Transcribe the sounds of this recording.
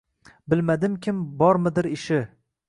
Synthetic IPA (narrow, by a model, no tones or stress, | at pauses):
bɪlmad̪ɪmkʲʰɪmbɒɾmɪd̪ɪɾɪʃɪ